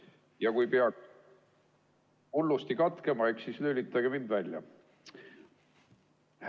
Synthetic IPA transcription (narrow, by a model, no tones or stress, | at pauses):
jɑkujpeɑ | ulːust̪ikɑt̪ke̞mɑeksislølʲit̪ːˑɑɡemind̪vælʲjɑ̰